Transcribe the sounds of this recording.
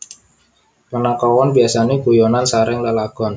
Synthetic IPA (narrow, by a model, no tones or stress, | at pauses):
pənakɔwɔnbiasaneɡujɔnansaɾɪŋlalaɡ̥ɔn